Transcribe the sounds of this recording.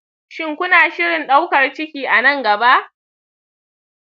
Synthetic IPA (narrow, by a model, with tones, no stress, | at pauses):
ʃɪ˦ŋkʷʊ˦naː˨ʃɪ˦ɽɪ˨nɗa˦wkɐ˨rt͡ʃɪ˦kʲiː˨ʔa˨nɐ˦˨ŋɡɐ˨ba˦ʔ